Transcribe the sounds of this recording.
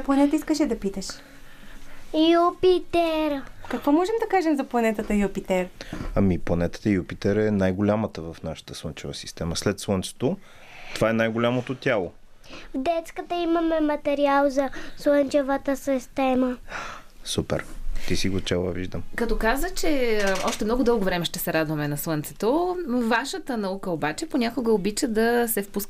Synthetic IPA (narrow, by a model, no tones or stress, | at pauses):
plˠɐnɛt̪əiskəʃɛd̪ɐpit̪əʃ | jupit̪ɛɾkɐkvɔmɔʒɛmd̪ɐkaʒɛmzɐplˠɐnɛt̪ət̪əjupit̪ɛɾamiplˠɐnɛt̪ə̥t̪əijupit̪ɛɾɛnajɡolʲamət̪əvɐfnaʃə̥t̪ə̥slˠɤnt͡ʃɛvəsi̥st̪ɛməslɛt̪slˠɤntt͡ʃ̪ɛ̥t̪o | t̪ovaɛnajɡolʲamot̪ot̪ʲjalˠo | vd̪ɛt̪skət̪əimɐmɛmɐt̪ɛɾialˠzɐslˠənt͡ʃɛvət̪əsist̪ɛmə | supɛ̰ɾt̪isiɡot͡ʃɛlˠə̰vḭʒd̪əmkɐt̪ɔkazət͡ʃɛɔʃt̪ɛmnɔɡʊd̪ɤlˠɡovɾɛmɛʃt̪ɛsɛɾad̪vɐmɛnɐslˠɤnt̪sɛ̥t̪ovaʃət̪ənɐukəobat͡ʃɛponʲakʊɡəobit͡ʃəd̪ɐsɛfpusk